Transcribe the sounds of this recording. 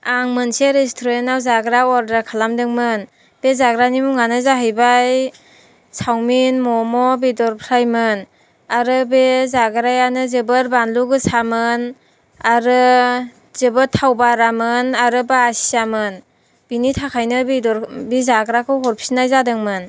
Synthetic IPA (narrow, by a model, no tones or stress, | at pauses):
aŋmɯnseɾestʰɔɾentawzaɡɾaɔɾdɾakʰalamdɯŋmɯn | b̥ezaɡɾanimuŋanɯzaɦɯjbaj | sʰawminmɔmɔbidɔɾpʰɾajmɯn | aɾɯbezaɡɾajanɯzɯbɯɾbanluɡɯsamɯn | aɾɯ | zɯbɯtʰawbaɾamɯnaɾɯbaːsi̥amɯn | b̥initʰakʰajnɯbidɔɾbizaɡɾakʰɯwɦɔɾpʰisnajzadɯŋmɯn